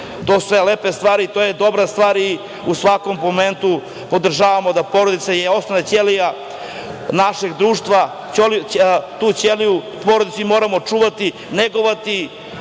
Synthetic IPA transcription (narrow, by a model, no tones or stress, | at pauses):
t̪osu̥sʋeleːpe̞st̪ʋaːɾit̪ojed̪o̞bɾast̪ʋaːɾi | usʋako̞mpoment̪u | po̞d̪r̩ʒaːʋamo̞d̪apo̞ɾod̪it̪sajeo̞snonat͡ɕelija | naʃeɡd̪ɾuːʃt̪ʋa | olt̪uːt͡ɕeliju | poɾod̪it̪suimoːɾamot͡ʃuːʋat̪i | neɡoʋat̪i